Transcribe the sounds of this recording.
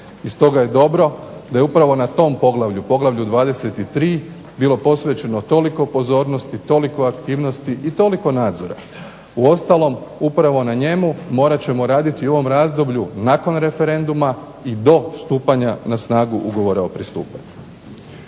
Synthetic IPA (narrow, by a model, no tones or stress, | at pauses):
ist̪o̞ɡaje̞d̪o̞bɾo̞d̪aje̞upɾaʋo̞nat̪o̞ːmpo̞ɡlˠaʋʎupo̞ɡlˠaʋʎud̪ʋaːd̪e̞se̞t̪it̪ɾiː | bilˠo̞po̞sʋet͡ɕe̞not̪o̞liko̞po̞zo̞ːɾno̞st̪it̪o̞liko̞akt̪iːʋno̞st̪iʔit̪o̞liko̞naːd̪zo̞ɾa̰ | uo̞st̪alˠo̞mupɾaʋo̞naɲe̞mumo̞ːɾat͡ɕe̞mo̞ɾaːd̪it̪io̞ʋo̞mɾazd̪o̞bʎunako̞nɾe̞fe̞ɾe̞nd̪uma | id̪o̞st̪uːpaɲanasnaːɡuʔuɡo̞ʋo̞ɾao̞pɾist̪ṵːpa̰ɲu̥